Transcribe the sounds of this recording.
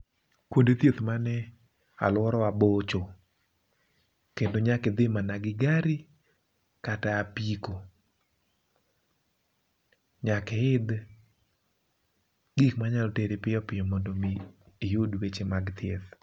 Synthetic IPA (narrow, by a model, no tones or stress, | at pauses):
kwondet̪jet̪manɛ | a̰lwɔɾɔabot͡ʃo | kendoɲakɪd̪ɪmanaɡɪɡaɾi | kataːpiko | ɲakɛɪd̪ | ɡikmaɲalɔteɾepɪjɔpɪjɔmɔndomiː | jodwet͡ʃemaɡt̪jḛt̪